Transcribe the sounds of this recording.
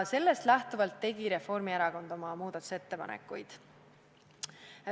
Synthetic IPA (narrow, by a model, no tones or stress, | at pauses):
se̞lːe̞st̪læht̪uvɑlt̪ːe̞ɡ̥iɾe̞fo̞rmieɾɑko̞nd̪̥o̞mɑmuːd̪̥ɑt̪ːu̥se̞t̪ːe̞pɑ̰nḛkːˑujd̪̥